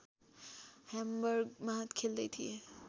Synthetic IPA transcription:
hɛmbəɾɡmaɦət̪kʰeːld̪et̪ʰie

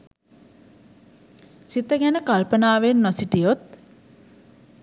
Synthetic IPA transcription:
sit̪əɡænəkalpənaːʋenːosiʈijot̪̚

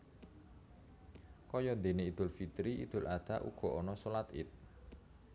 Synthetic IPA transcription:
kɔjɔd̪eneid̪̥ʊ̤lfit̪ɾiʔḭd̪̥ʊ̤lad̪̥aʔṵɡ̥ɔ̤ʔɔnɔsolat̪ɪ̰t̪̚

